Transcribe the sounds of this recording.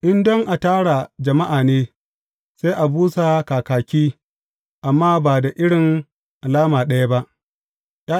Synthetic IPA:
ʔɪ˦ndɔ˦ŋʔa˨taː˦ɽa˨d͡ʒɐ˨ma˦ʔaː˨neː˦ | se˦ʔa˨buː˦sa˨kaː˨kaː˨kʲiː˦ | ʔa˨mːaː˦baː˨da˨ʔɪ˦ɽɪ˨ŋ | ʔa˨laː˦maː˨ɗɐ˦ja˦ba˦ʔ | ja˦

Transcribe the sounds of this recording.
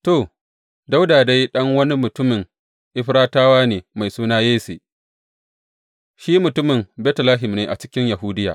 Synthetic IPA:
to˨ | da˦wdaː˨da˦jɗɐ˦ŋwɐ˦ni˦mʊ˨tʊ˦mɪ˨ŋ | ʔɪ˦ɸɾaː˦taː˦waː˦neː˨ma˨jsuː˦naː˦jeː˦sḛː˨ | ʃiː˦mʊ˨tʊ˦mɪ˨mbɛː˦tɐ˨laː˦ɦɪ˨mneː˦ʔa̰˨t͡ʃɪ˦kʲɪ˦ɲja˨ɦu˦dɪ˦jaː˨ʔ

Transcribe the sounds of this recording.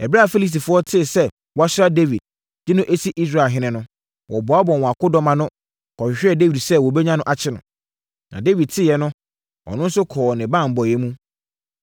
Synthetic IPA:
ɛ˨bɾa˦˨fe˦li˦s̬ti˨fʊ˨˦ɔ˦tʰɪ˦˨sɛ˦ | wɔ˨a˦ɕɪ˦ɾa˦de˦vi˨d̚ | d͡ʑɪ˦nʊ̃˦ʔe˦si˦ʔi˦s̬ɾa˨ɦɪ̃˦nɪ̃˨nʊ̃˦ | wʔɔ˨bɔ˨a˦bɔ̃˨nwɔ̃˨a˨kʊ˦dɔ˦mã˨nʊ̃˦ | kʰɔ̃˨ʃᶣɕᶣɛ˦˨de˦vi˨dsɛ˦wɔ˨bɛ˦ɲã˦nʊ̃˦ʔa˨t͡ɕʰɪ˦nʊ̃˨ | nã̰˨de˦vi˨d̚tʰɪ˦jɛ˦nʊ̃˦ | ɔ̰˨nʊ̃˦n̩˦sʊ˦kʰɔː˨nɪ̃˨bãː˦˨m̩˨bɔ˨jɛ˦mũ˦

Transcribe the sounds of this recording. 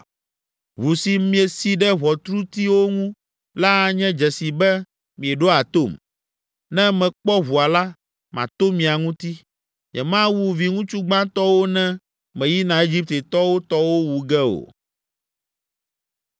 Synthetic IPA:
βu˨si˨mĩ˨˦e˨si˨ɖɛ˦βɔ˨t̪ɾu˦t̪i˦wo˦ŋũ˦ | la˦ɲɛ̃˦d͡ʒɛ˨si˨bɛ˦ | mĩ˨ɛ˨ɖo˦a˨t̪o˦˨m | nɛ̃˦mɛ̃˨k͡pɔ˦βu˨a˨la˦ | mã̰˨t̪o˦mĩ˨a˨ŋũ˦t̪i˦ | ɲɛ̰˨mã˦wu˦vi˨ŋũ˦t͡ʃu˦ɡ͡bã˦t̪ɔ˦wo˦nɛ̃˦ | mɛ̃˨ji˦nã˨e˦d͡ʒi˦p̚t̪e˨t̪ɔ˦wo˦t̪ɔ˦wo˦wu˨ɡɛ˦o̰˨

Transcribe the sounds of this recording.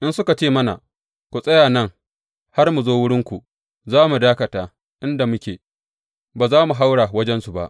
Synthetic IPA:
ʔɪ˦nsʊ˦ka˨t͡ʃeː˦mɐ˦na̰˨ | kʷu˨sʼɐ˦jaː˨nɐ˦˨ŋ | ha˦rmu˨zoː˦wʊ˦ɽɪ˦ŋkʷu˨ʔ | zaː˦mu˨daː˦kɐ˨taː˨ | ʔɪ˦nda˨mʊ˦kʲḛː˨ | baː˨zaː˦mu˨ɦa˦wɽaː˨wɐ˦d͡ʒɛ˦nsu˨ba̰˦ʔ

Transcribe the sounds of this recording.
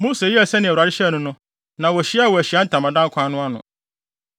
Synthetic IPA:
moː˦se˨ji˦æ˨sɛ˦nɪ̃˨a˨ɪ˦ɕɛ˦˨nʊ̃˦nʊ̃˦ | nã˨wɔ˨ɕi˦˨wɔ˨æ˨ɕi˨˦a˦n̩˦tʰã˨mã˨dã˦ŋ˦kʷʰã˦nʊ̃˦a˦nʊ̰̃˨

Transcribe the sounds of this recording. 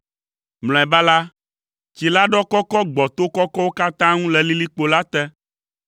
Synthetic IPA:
ml̃ɔ̃˨ɛ˨ba˦la˦ | t͡ɕi˨la˦ɖɔ˦kɔ˦kɔ˦ɡ͡bɔ˨t̪o˦kɔ˦kɔ˦wo˦ka˦t̪ã˦ŋũ˦lɛ˨li˦li˦k͡po˦la˦t̪ɛ˦

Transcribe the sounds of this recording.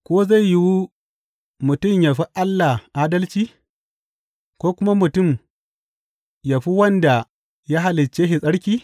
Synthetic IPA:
kʷoː˦za˦˨jji˦wu˦ | mʊ˨tʊ˦˨mja˨ɸi˦ʔa˦lːa˨ʔaː˦dɐ˦lt͡ʃiː˦ | kʷoː˦kʷʊ˦ma˦mʊ˨tʊ˦˨m | ja˨ɸi˦wɐ˦nda˨ | ja˦ɦa˦lɪ˨t͡ʃːeː˦ɦɪ˨sʼɐ˦ɽkʲiː˦

